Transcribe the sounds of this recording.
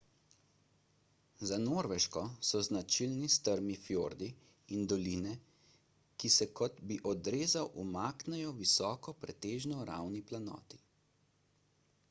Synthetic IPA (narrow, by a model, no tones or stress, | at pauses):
zanoːɾʋɛʃkɔsɔznat͡ʃilnist̪əɾmifjoːɾd̪i | ind̪ɔliːnɛ | kisɛkɔt̪biʔɔd̪ɾeːzawʔumaːknɛjɔʋisɔːkɔpɾɛt̪eːʒnɔɾa̰wniplanɔ̰ːt̪i̥